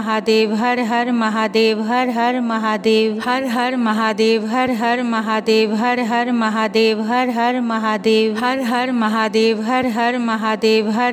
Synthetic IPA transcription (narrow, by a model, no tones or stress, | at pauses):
ɦaːd̪eːʋɦɐɾɦɐɾmɐɦaːd̪eːʋɦɐɾɦɐɾmɐɦaːd̪eːʋɦɐɾɦɐɾmɐɦaːd̪eːʋɦɐɾɦɐɾmɐɦaːd̪eːʋɦɐɾɦɐɾmɐɦaːd̪eːʋɦɐɾɦɐɾmɐɦaːd̪eːʋɦɐɾɦɐɾmɐɦaːd̪eːʋɦɐɾɦɐɾmɐɦaːd̪eːʋɦɐ